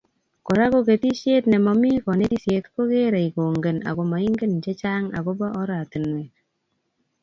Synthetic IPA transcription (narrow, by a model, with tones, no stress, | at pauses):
kɔ˨ɾa˦ko˦ke˨t̪i˦ʃe˦t̪nɛ˨mɔ˨mi˦kɔ˨ne˦ti˦sje˨t̪ko˦ke˦ɾe˨i˨ko˨ŋɡe˨na̰˨ko˨ma˨i˦ŋɡe˦nt͡ʃe˦t͡ʃa˦ŋa̰˨ko˦bɔ˦ʔɔ˦ɾa˨ti˨nwe˨